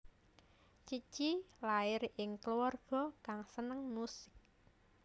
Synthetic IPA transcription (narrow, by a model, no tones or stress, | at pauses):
t͡ʃit͡ʃilaɪrʔɪŋkluarɡ̥ɔ̤kaŋsənəŋnusɪ̥k̚